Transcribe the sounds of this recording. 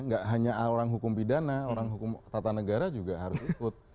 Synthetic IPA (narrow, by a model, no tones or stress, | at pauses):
ŋɡaʔɦaɲaoɾaŋɦukʊmpidanaoɾaŋɦukʊmt̪at̪anəɡaɾad͡ʒuɡaɦaɾʊsikʊt̪̚